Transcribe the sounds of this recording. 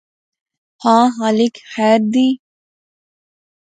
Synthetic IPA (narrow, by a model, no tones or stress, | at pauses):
hãːɦalɪkxɛːɾd̪iː